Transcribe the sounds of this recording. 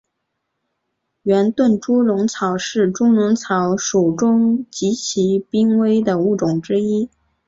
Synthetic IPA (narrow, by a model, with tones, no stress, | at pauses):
ɥɛ˧˥nt̪wə˥˩nʈ͡ʂu˥ɻʊ˧˥ŋt͡sʰɑ˨˩˥ʊʂɻ̩˥˩ʈ͡ʂʊ˥ŋɻʊ˧˥ŋt͡sʰɑ˧˥ʊʂu˨˩ʊʈ͡ʂʊ˥ŋt͡ɕi˧˥t͡ɕʰi˧˥pi˥ŋwe˥ɪd̪ə˨u˥˩ʈ͡ʂʊ˨˩ŋʈ͡ʂɻ̩˥i˥